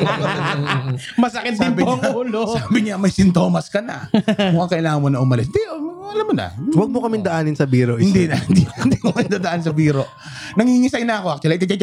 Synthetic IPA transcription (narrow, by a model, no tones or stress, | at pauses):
mɐsɐkɪt̪̚d̪ɪpbɪɐŋuːlosabɪɲamɐjsɪnt̪o̞ːmɐskɐnɐ̰ɐŋkɐʔɪlaːŋɐnmonɐʔʊmɐlɪs̬d̪ɛɐɐlamːonɐ̰wɐɡ̚mokɐmɪnd̪ɐʔaːnɪnsɐbiːɾoʔhɪnd̪inɐhɪnd̪ind̪ikɐmɪnd̪ad̪ɐʔansɐbiːɾoʔ | nɐŋiɪŋɪsajnɐɐko̞ʔɐkt̪ʊɐlɐkɐt͡ʃat͡ʃa